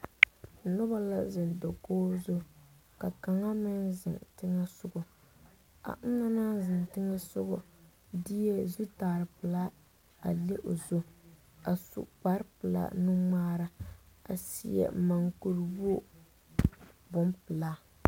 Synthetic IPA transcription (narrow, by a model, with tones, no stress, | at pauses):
nʊ˦ba˦la˦zɪ˨ndɔ˨koː˦zʊ˦ka˨ka˨ŋa˦mɪ˦nzɪ̰˨ntɪ˦ŋa˦sʊ˦ɡʊ˨ | a̰˨ŋ̩˦ŋa˦na˦nzɪ˨ntɪ˦ŋa˦sʊ˦ɡʊ˨ | di˦ɛ˦zu˦taː˨ɾɨ˨pɨ˨la˦ | a̰˨le˦ʔo˨zo˦ | a˨sṵ˨k͡pa˦ɾpɨ˨la̰˦nu˦ŋ͡maː˦ɾa˦ | a˨sḭ˦ɛ̰˨ma˨ŋku˨ɾbo˦ | bʊ˦mpɨ˨la˦